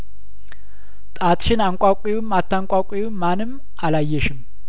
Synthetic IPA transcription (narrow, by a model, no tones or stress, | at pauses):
t̪ʼat̪ʼʃɪnaŋkʷʼakʷʼiwmat̪ʰːaŋkʷʼakʷʼiwːanɨm | alajːɛʃɪm